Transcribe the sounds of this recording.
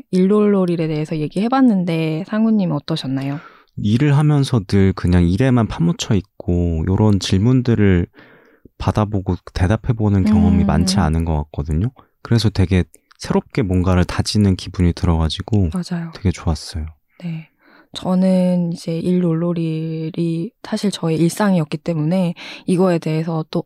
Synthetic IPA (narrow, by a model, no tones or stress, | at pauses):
iɭːoɭːoɾiɾe̞de̞esʰʌje̞ɡihe̞banːɯnde̞sʰaŋuɲːimʌt͈ʌɕʰʌnːajo | iɾɯɭɦamjʌnsʰʌnɯɭkɯɲaŋiɾe̞manpʰamut͡ɕʰʌik̚k͈ojoɾʌnt͡ɕiɭmundɯɾɯɭ | padaboɡote̞dapʰe̞bonɯnkjʌŋʌmima̰nt͡ɕʰianɯnɡʌk͈ak̚k͈ʌdɯɲo | kɯɾe̞sʰʌtwe̞ɡe̞ | sʰe̞ɾop̚k͈e̞mwʌnɡaɾɯɭtad͡ʑinɯnkibuɲitɯɾʌɡad͡ʑiɡomad͡ʑajotwe̞ɡe̞t͡ɕoas͈ʌjo | ne̞ | t͡ɕʌnɯnid͡ʑe̞ʔiɭːoɭːoɾiɾisʰaɕʰiɭt͡ɕʌeiɭs͈aŋiʌk͈it͈e̞mune̞iɡʌe̞de̞ɦesʰʌt͈o